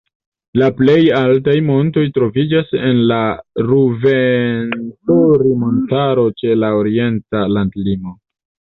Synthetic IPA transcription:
laple̞jaltajmo̞nto̞jtɾo̞vid͡ʒase̞nlaɾuventuɾimo̞ntaɾo̞t͡ʃe̞laoɾie̞ntalandlimo̞

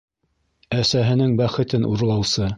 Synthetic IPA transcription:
æsæɦɘ̆nɘŋbæχɘ̆t̪ɘnʔuɾlˠɑwsɤ

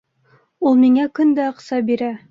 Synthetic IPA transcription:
ulˠmiŋækɵnd̪æɑqsɑbiɾæ

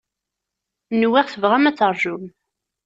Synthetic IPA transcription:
nwiʁθəvʁæmæt͡sːəɾˤʒum

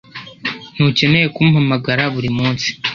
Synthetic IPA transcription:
n̥uce̞ne̞je̞kuːmuhamaɡaɾaβuɾimuːnsi̥

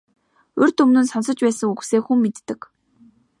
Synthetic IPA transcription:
ɵrʲt̪ɵmnɵ̆nsɔnsɞ̆t͡ɕpæːsə̆ŋuɣseːxumːet̪ːɘ̆k

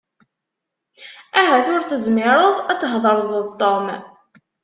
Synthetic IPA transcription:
æɦæθʊɾθəzmɪɾˤəðˤæt͡sːəɦðˤəɾˤðˤəðˤt̪ˤːom

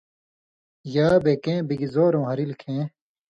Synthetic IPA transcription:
jaːbeːkẽːbiɡizoːɾõːɦɐɾilkʰẽː

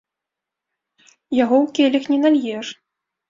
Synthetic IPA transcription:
jaɣɔwkʲɛlʲɐxnʲɛnalʲjɛʂ

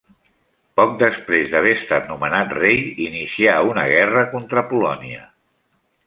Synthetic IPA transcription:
pɔk̚d̪əspɾezd̪əβeəst̪at̪numənat̪rejinisiaunəɣ̞ɛrəkont̪ɾəpulɔniə

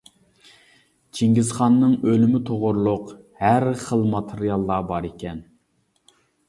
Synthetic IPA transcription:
t͡ʃʰeŋɡʲizχɑnːɨŋølymɪt̪ʰoʁʊɾlˠʊq | hæɾχəlˠmɑt̪ʰɨɾijɑlˠːɑbɑɾekʲʰɛn

